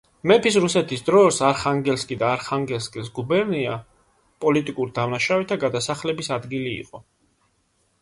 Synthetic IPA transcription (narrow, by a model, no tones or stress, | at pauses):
mɛpis̬ɾusɛt̪ʰisd̪ɾɔɾsaɾχaŋɡɛlskʼid̪aːɾχaŋɡɛlskʼilsɡubɛɾnia | pʼɔlit̪ʼikʼuɾid̪avnaʃavɛt̪ʰaɡad̪asaχlɛbisad̪ɡilḭːqʼɔ